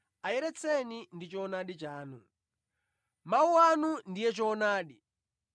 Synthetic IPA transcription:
ajɛɾɛt͡sʰɛnindit͡ʃɔːnaɗit͡ʃaːnu | mauanundijɛt͡ʃɔːnaːɗi

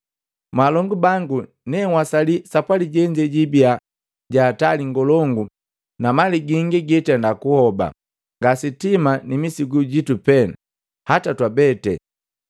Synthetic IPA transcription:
malɔŋɡubaŋɡu | nɛŋwasalisapwaliɟɛɲd͡ʒɛɟibia | ɟaːtaliŋɡɔlɔŋɡu | namaliɡiŋɡiɡɛtɛndakuhɔba̰ | ŋɡasitimanimisiɡuɟitupɛna | hatatwabɛtɛ̰

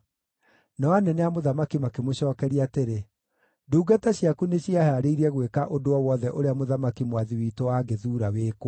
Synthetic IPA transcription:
nɔanɛnɛamoðamakimakemoɕɔːkɛɾiateɾe | duːɡataɕjakuneɕiahɛaɾeiɾɛɣwekaʔodoɔwɔðɛʔoɾeamoðamakimwaðiwiːtowaːɡeðuːɾaweːko

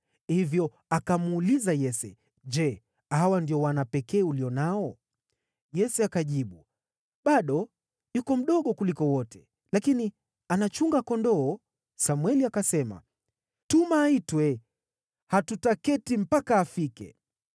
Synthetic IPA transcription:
hivjɔ | akamuːlizajɛsɛ | ʄɛ | awandiɔwanapɛkɛːuliɔnaɔ | jɛsɛakaʄiɓu | ɓaɗɔ | jukɔm̩ɗɔɠɔkulikɔwɔtʰɛ | lakini | anat͡ʃuŋɡakɔndɔɔ | samwɛliakasɛma̰ | tumaːitwɛ | hatutakɛtim̩pakaːfikɛ̰

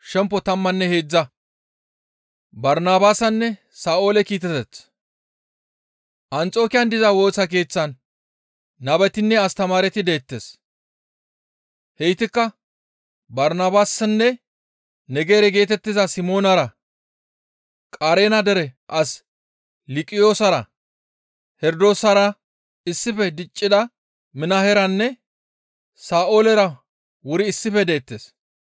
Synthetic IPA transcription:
ʃɛmpːɔt̪ɐmːɐnːɛheːd͡zːɐ | bɐɾnaːbaːsɐnːɛ | saːʔo̞ːlɛkiːt̪̬ːɛt̪ɛt͡sː | ʔɐnt͡sʼo̞ːkɪjɐnd̪ɪzɐwo̞ːsɐk̬e̞ːt͡sːɐnː | ɐbɛt̪ɪnːɛɐst̪ɐmaːɾɛt̪ɪd̪e̞ːt̪ːes | hɛjɪt̪ɪkːɐ | bɐɾnaːbaːsɐnːɛ | nɛɡe̞ːɾɛɡeːt̪ɛt̪ːɪzɐsɪmo̞ːnɐɾɐ | kʼaɾe̞ːnɐd̪ɛɾɛʔɐs | lɪkʼɪjo̞ːsɐɾɐ | hɛɾd̪o̞ːsɐɾɐ | ɪsːɪfɛd̪ɪt͡ʃʼːɪd̪ɐ | mɪnɐhɛɾɐnːɛ | saːʔoːlɛɾɐ | wʊɾɪːsːɪfɛd̪e̞ːt̪ːeːs

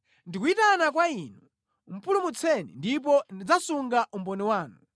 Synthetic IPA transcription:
ndik̬uitanak̬wainu | m̩pulumut͡sʰɛnḭndip̬ɔndid͡zasuŋɡaʔumbɔniwaːnu

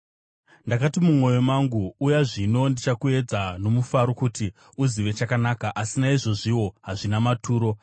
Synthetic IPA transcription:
ndakatimumo̞jo̞maŋɡuːjaʐino̞ndit͡ʃakue̞d͡zano̞mufaɾo̞kuti | uziʋe̞t͡ʃakanakaʔasinaiʐo̞ʐiwo̞ɦaʐinamatʰuːɾo̞

